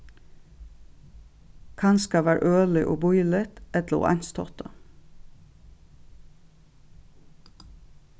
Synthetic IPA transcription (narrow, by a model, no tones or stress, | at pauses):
kʰɑnskɑʋæːɾʔøːlɪʔo̰ːbʊʏlɪt̪ʔɛt̪lṵːʔɑ̰nst̪ʰɔ̰t̪ə